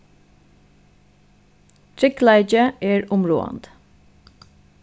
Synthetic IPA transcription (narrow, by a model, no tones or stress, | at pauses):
t̪ʰɾɪklæɪd͡ʒəʔeːɹʊmɹo̰ːɑ̰nd̪